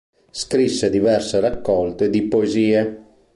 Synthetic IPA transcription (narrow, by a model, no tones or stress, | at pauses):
skɾisːed̪ivɛrserakːɔlt̪ed̪ipoeziːe